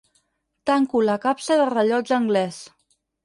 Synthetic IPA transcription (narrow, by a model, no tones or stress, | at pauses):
t̪aŋkuləkapsəðərəʎɔd͡zəŋɡlɛs